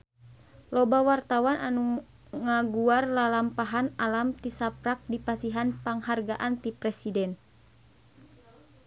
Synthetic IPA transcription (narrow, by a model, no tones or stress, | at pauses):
lɔbawart̪awanʔanu | ŋaɡuarlalampaɦanalamt̪isapɾak̚dipasiɦanpaŋharɡaʔant̪ipɾɛsidɛn